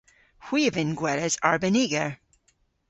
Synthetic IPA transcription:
hwivɨ̃nɡwɛɾɨzaɹbɨniɡəɹ

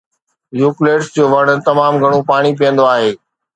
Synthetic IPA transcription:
juːkleːʈsd͡ʑoːʋɐɽ̃t̪ɐmaːmɡʱɐɽ̃ũpaːɽ̃ipijə̃nd̪oaːɦeː

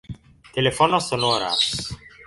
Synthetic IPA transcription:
t̪elefɔnosonoɾa̰s

